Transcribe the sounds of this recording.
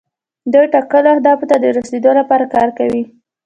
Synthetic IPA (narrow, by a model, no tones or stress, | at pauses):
d̪əjʈɑkəlahd̪ɑfot̪ad̪əɾased̪olapɑɾakɑɾkawi